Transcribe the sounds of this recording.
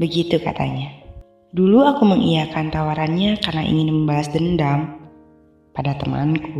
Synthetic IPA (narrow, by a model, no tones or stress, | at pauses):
bəɡit̪uka̰t̪a̰ɲa | duluakuməŋʔijakant̪awaɾanɲakarnaʔḭŋɪnməmbaɦasdəndam | padat̪əma̰nku